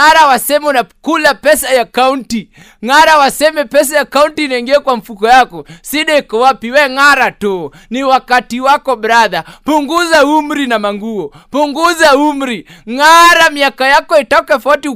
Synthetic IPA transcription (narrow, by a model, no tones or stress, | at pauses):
aɾawasɛmɛunakulapɛsajakaunti | ŋaɾawasɛmɛpɛs̬ajakauntiːnaiŋɡiakwam̩fukɔjakɔsiɗɛikɔwapiwɛŋaɾatɔ | niwakatiwakɔɓɾaðapuŋɡuzaum̩ɾinamaŋɡuɔpuŋɡuzaumɾiŋaɾamiakajakɔitɔkafauti